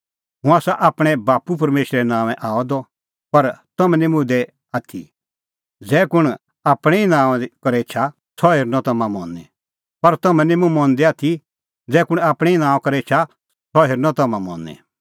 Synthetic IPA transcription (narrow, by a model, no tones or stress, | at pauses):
ɦʊ̃aːsaʔaːpɽ̃ɛbaːpupɐɾmeːʃɾɛnãːʋɛ̃ʔaːɔd̪ɔ | pɐɾt̪ɐmɛ̃nĩmʊ̃d̪ɛ | aːt̪ʰḭ | d͡zɛːkʊɽ̃ | aːpɽ̃ɛinãːkɐɾet͡ʃʰa | sʰɔɦeɾnɔt̪ɐmãmɔ̰̃ːnɛ | pɐɾt̪ɐmɛ̃nĩmʊ̃mɔ̃ːnd̪ɛaːt̪ʰi | d͡zɛːkʊɽ̃aːpɽ̃ɛinãːɔ̃kɐɾɛet͡ʃʰa | sʰɔɦeɾnɔt̪ɐmãmɔ̰̃ːnɛ̰̃